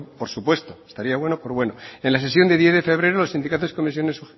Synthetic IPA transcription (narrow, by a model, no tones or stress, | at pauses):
poɾsupwe̞st̪oest̪aɾiaβwe̞nopoɾβwe̞noenlase̞sjo̞nd̪eðjeθðefe̞β̞ɾe̞ɾolosind̪ikat̪oi̥ko̞mis̬jo̞nesu